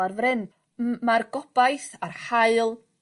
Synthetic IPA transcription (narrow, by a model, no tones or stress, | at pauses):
arvrɪn | marɡɔb̥ajθarhaɨlˠ